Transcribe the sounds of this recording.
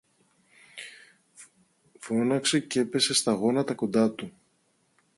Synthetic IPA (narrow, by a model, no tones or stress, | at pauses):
fo̞nɐkse̞ce̞pe̞se̞st̪ɐɣo̞nɐt̪ɐko̞nd̪ɐt̪u